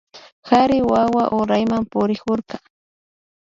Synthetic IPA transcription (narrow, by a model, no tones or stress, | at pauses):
haɾɪwawaʔoɾajmampʊɾɪkʊɾka